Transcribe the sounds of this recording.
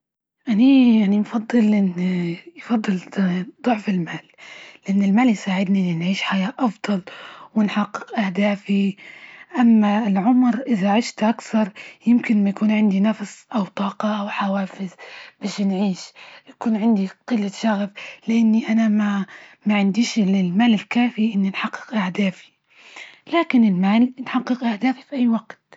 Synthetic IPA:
ʔanajaʕnimfɑd̪ˤːɨlʔɪnːijfɑd̪ˤːɨld̪ˤʊʕfɪlmaːlːɪʔɪnːɪlmaːljsaːʕɪd̪niʔɪnːinʕiːʃħajaːʔɑfd̪ˤɑlwɪnħɑqːɪ̥qʔahd̪aːfi | ʔamːaɪlʕʊmɾʔɪðaʕɪʃt̪ʔakθɑɾˤjɪmkɪnmajakuːnʕɪnd̪inafsʔawt̪ˤɑːqɑʔawħawaːfɪzbaːʃnʕiːʃjakuːnʕɪnd̪iqɨlːaʃaɣflɪʔanːiʔanamamaʕɪnd̪iːʃlɪlmaːlɪlkaːfiʔɪnːinħɑqːɨ̥qʔahd̪aːfi̥ | laːkɪnɪlmaːlnħɑqːɨqʔahd̪aːfifiʔajːwaɡt̪

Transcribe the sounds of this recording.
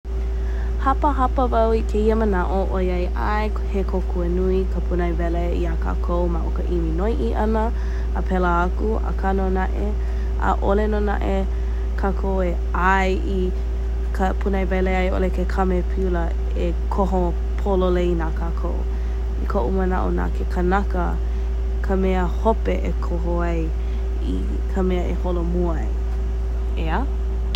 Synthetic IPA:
hɐpəɦɐpəvɐwikʰeiəmənaʔoʔojɐjʔaj | hekʰokʰuənuikʰəpʰunajvɛleiakʰa̰ːkʰowmaʔo̰kəʔiminojʔiʔɐnə | əpʰɛləakuə̰kʰanonaʔe | ʔə̰ʔolenona̰ʔe | kʰakʰowe | ajʔi | kʰəpʰunajbajlejajo̰lekʰekʰamepʰiulə | e | kʰoɦo | pʰololejinakʰakʰow | ikʰoʔuməna̰ʔo̰na̰kʰekʰənakə | kʰəmɛəhopeʔekʰoɦoaj | ḭ | kʰəmɛəʔeholomu | j | eə

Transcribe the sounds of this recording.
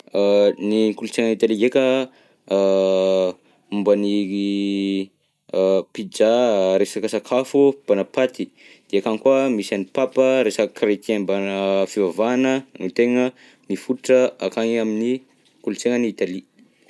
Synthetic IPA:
niŋkulut͡seŋənit̪aliɡekə | umbəni | pid͡ʒaɾesakəsakʰafub̥anapat̪i | d̪̥eakaŋkuamisanipapəɾesakrekenbanəfivavanənit̪eŋə | nifuʈ͡ʂəakaŋamini | kulut͡seŋəniit̪ali

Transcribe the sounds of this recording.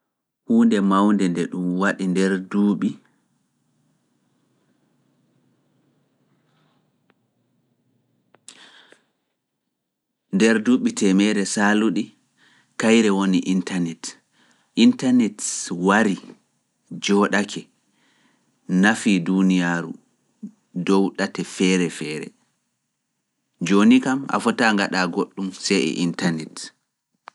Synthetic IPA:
huːndɛmawndɛndɛɗumwaɗindɛɾduɓi | ndɛɾduːɓitʰɛmɛɾɛsaluɗi | kajɾɛwoniʔintanɛt | ʔintanɛtwaɾi | d͡ʒɔːɗakʰɛ | nafidunijaɾṵ | dɔwɗatɛfɛːɾɛfɛːɾɛ̰ | d͡ʒonikamʔa̰fɔtaŋɡaɗaɡoɗːumsɛɛ̰ʔintanɛt

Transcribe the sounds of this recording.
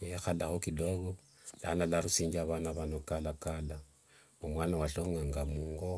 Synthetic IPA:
jexalaxokidoɡɔ | lanalaɾusiɲd͡ʒaβanaβanokalakala | momwanawaɬoŋaŋɡamuŋɡo

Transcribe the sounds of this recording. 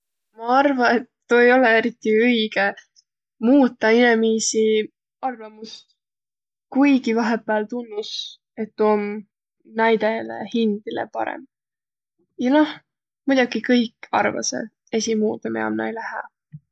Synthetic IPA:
mɑɑrvɑet̪ːoejo̞lee̞ɾit̪ːˑiɯjɡ̥e̞ | muːt̪ːˑɑinemisi | ɑrvɑmust̪ | kujɡivɑɦepːˑælt̪unːis | e̞t̪ːom | næjd̪elḛhind̪̥ilḛpɑ̰ɾḛm | jɑno̞h | mud̪̥ɑɡikɤjkˑɑ̰rvɑ̰sḛ | esimuːt̪ˑɑmeɑ̰mnɑ̰jlæhæ̰

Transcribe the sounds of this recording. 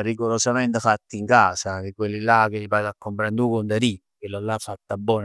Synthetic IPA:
riɡoɾosamɛnt̪əfat̪ːiiŋkaːsad̪ikwelːilak̟elipat̪akːompɾend̪ukond̪aɾi | kelːolːafːat̪ːabːɔːn

